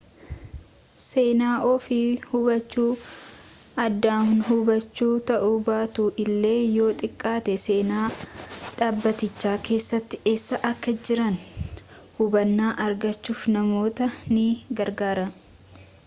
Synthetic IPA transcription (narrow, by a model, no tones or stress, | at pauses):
se̞ːnaːʔɔfɪhʊbɐt͡ʃːuː | ɐd̪ːaːhʊnɦʊbɐt͡ʃːuːt̪ɐʔubaːt̪ʊʔɪlːe̞ːjo̞ːt̪ʼɪkʼːaːt̪ɛse̞ːnaːᶑaːbːɐt̪ɪt͡ʃːaːke̞ːsːɐt̪ːɪ̥ɛsːɐʔɐkːɐd͡ʒɪɾɐn | hʊbɐnːaːʔɐɾɡɐt͡ʃːuːfnɐmo̞ːt̪ɐnɪɡɐɾɡaːɾɐ